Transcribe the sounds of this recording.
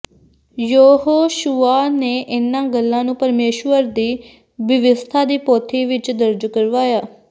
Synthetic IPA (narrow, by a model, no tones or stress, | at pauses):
joːɦoːʃuːaːneːʔɪnãːɡəlːãːnũːpəɾmeːʃʋəɾd̪iː | bɪʋɪst̪ʰaːd̪iːpoːt̪ʰiːʋɪt͡ʃd̪əɾd͡ʒkəɾʋaːjaː